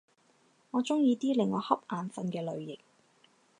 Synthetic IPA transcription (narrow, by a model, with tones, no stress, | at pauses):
ŋɔː˨˧t͡sʊ˥ŋjiː˨˧t̪iː˥lɪ˨ŋɔː˨˧hɐ˥p̚ʔaː˨˧nfɐ˧nkɛː˧lɵ˨˧ɥjɪ˨k̚